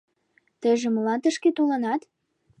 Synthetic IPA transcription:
t̪ə̆ʒĕməlɑnt̪ə̆ʃket̪olɤnɑt̪

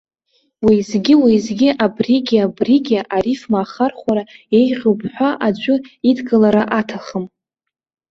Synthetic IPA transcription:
wizɡʲɪwizɡʲiʔabriɡʲabriɡʲaʔaɾifmaːχarχʷaɾae̞jʁʲupʰħᶣʷaʔad͡ʒʷʼʊidɡʼalaɾaʔatʰaχəm

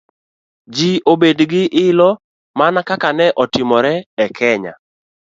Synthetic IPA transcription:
d͡ʒiʔobedɡɪʔɪlɔ | manakakanɛʔɔtɪmɔɾɛɛkʰɛɲa̰

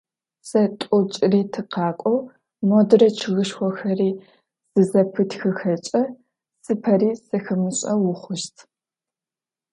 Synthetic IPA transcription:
sɐtʷʼɔt͡ʃʼriːtʰɨqɑːkʷʼɔw | modɨrɐt͡ʃʰɨɣɨʃxʷɔxɐriː | z̥ɨzɐpʰɨtʰxɨxɐt͡ʃʼɐ | sɨpʰɐriːsɐxɨmɨɕʼɐwʊχʷʊʃtʰ

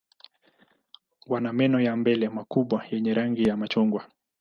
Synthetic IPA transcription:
wanamɛnɔjambɛlɛmakuɓwajɛɲɛɾaŋɡijamat͡ʃuŋɡwa

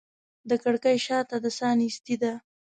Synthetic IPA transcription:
d̪əkaɽkajʃɑt̪ad̪əsɑnist̪id̪a

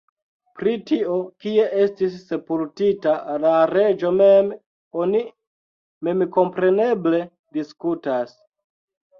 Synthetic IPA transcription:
pɾitio̞kie̞ʔe̞stisːe̞pultitalaɾe̞d͡ʒo̞mem | oni | me̞mko̞mpɾe̞ne̞ble̞ | diskutas

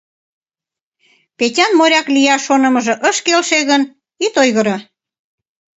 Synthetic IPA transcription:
petʲɑnmoɾʲɑklijɑʃonə̆məʒɤ̆ʔəʃkelʃeɣən | it̪ojɣəɾə

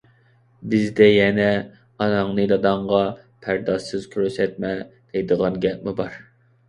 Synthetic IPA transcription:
bɪzd̪ɛjɛnɛ | ɑnɑŋnɨd̪ɑd̪ɑɴʁɑ | pʰæɾd̪ɑʃɨz̥kʲʰøɾysɛt̪̚mɛd̪̥ɛjd̪əʁɑnɡʲɛp̚mɪbɑɾ

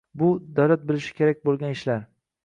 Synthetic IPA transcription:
bʊd̪awlat̪̚bɪlɪʃɪ̥kʲʰe̞ɾak̚ʲbolˠɡʲanɪʃlaɾ

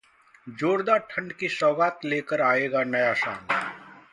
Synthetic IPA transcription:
d͡ʒoːɾd̪aʈʰə̃ɳɖkisɔːɡaːt̪leːkəɾaːeːɡanɐjaʃa̰ːn

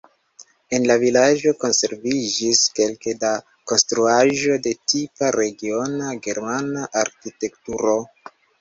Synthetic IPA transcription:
e̞nlavilad͡ʒo̞ko̞nse̞ɾvid͡ʒiske̞lkeda | ko̞nstɾuaʒo̞de̞tipaɾe̞ɡio̞naɡe̞ɾmanaʔaɾkite̞ktuɾo̞

